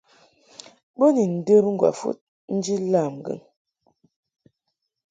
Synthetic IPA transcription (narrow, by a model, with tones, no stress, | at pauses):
bə˦ni˨n̩˨də˦ɾŋ̩˦ɡwa̰˨fṵ˦t̚ | n̩˦d͡ʒi˦la˦˨m˨ɡə̰˨ŋ